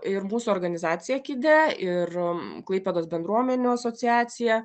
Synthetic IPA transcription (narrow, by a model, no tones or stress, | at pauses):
ɪrmuːsuɔɾɡɐnʲɪzɑːt̪sʲɪjɛkʲid̪ʲɛɪrklˠɐɪpʲɛd̪oːsbʲɛnd̪ɾuɔmʲɛnʲuːɐsoːt̪ʲɪæːt̪sʲɪjɛ